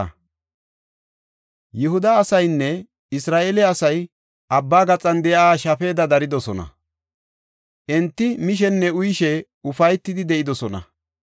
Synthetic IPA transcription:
jɪɦʊd̪ɐːsɐjnːɛ | ɪsɾaːʔeːlɛɐsɐj | ʔɐbːaːɡɐt͡sʼɐnd̪ɛjaːʃɐfe̞ːd̪ɐd̪ɐɾɪd̪ɔsɔnɐ̰ | ʔɛnt̪ːɪmɪʃ̬ɛnːɛʊjʃɛ | ʊfɐjt̪ːɪd̪ɪd̪ɛʔɪd̪ɔsɔnɐ̰

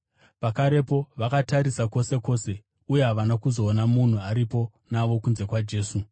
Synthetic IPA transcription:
pakaɾe̞po̞ʋakataɾisako̞se̞ko̞ːse̞ | uje̞ɦaʋanakuzo̞ːnamun̤uaɾipo̞ | naʋo̞kunze̞kwad͡ʒe̞ːsu

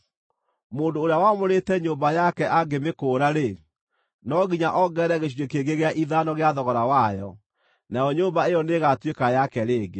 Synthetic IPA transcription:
moːndoːɾeawamoɾetɛɲoːmbajakɛʔaɡemekoːɾaɾe | nɔɣiɲaʔɔɡɛɾɛɣeɕiekeɡeɣeaʔiðanɔɣeaðɔɣɔɾawajɔ | najɔɲoːmbaejɔneɣatwekajakɛɾeːɡe

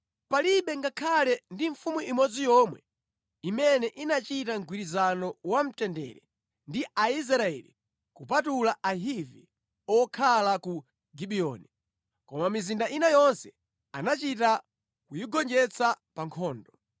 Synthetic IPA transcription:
paliɓɛŋɡakʰalɛndiɱfumuʔimɔd͡zijɔmwɛ̰ | imɛnɛʔinat͡ʃitaŋɡwiɾizanɔwam̩tɛndɛ̰ɾɛ | ndiʔais̬ɾaɛ̰lḭ | kupatulaaɦivḭ | ɔkʰalaku | ɡiɓiɔ̰ːni | kɔmamizindaʔinajɔnsɛ | a̰nat͡ʃita | kujiɡɔnd͡ʒɛt͡sʰa | paŋkʰɔːndɔ

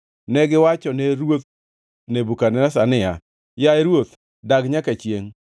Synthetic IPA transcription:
nɛɡɪwat͡ʃɔnɛɾwot̪̚ | nebukanɛnasanɪa̰ | jaeɾwot̪ | daɡɲakat͡ʃjeŋ

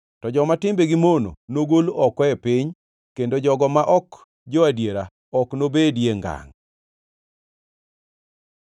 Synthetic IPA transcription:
tɔd͡ʒɔmatɪmbeɡimono̰noɡolɔkɔɛpɪɲ | kendod͡ʒɔɡɔmaʔɔk | d͡ʒoadjeɾa | ɔknobedjeŋɡa̰ŋ

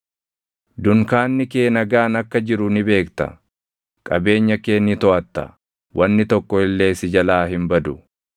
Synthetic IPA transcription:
d̪ʊŋkaːnːɪke̞ːnɐɡaːnɐkːɐd͡ʒɪɾʊnɪbe̞ːkt̪ɐ̰ | kʼɐbe̞ːɲːɐke̞ːnːɪt̪ɔɐt̪ːɐ̰ | wʔɐnːɪt̪ɔkːɔɪlːe̞ːsɪd͡ʒɐlaːɦɪmbɐd̪ʊ

